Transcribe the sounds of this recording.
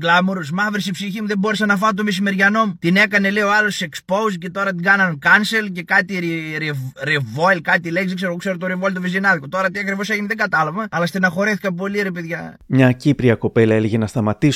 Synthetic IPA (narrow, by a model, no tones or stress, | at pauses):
ɡlɐmoɾusmɐvɾesipsiçimuðebo̞ɾesɐnɐfɐt̪̬omis̬ime̞ɾʝɐno̞mut̪ine̞kɐne̞lioɐlosse̞kspo̞usce̞t̪o̞ɾɐt̪̬iɡɐnɐnkɐnselce̞kɐt̪iɾɾeɾevoilkɐt̪ileçsðekse̞ɾkse̞ɾot̪oɾivoilt̪ovizinɐðikot̪o̞ɾɐt̪iɐkɾivo̞s̬eʝineðeɡɐt̪ɐlɐvɐɐlɐst̪inɐxo̞ɾeθi̥kɐp̬o̞liɾepeðʝɐmɲɐcipɾiɐko̞pelɐeleʝenɐst̪ɐmɐt̪is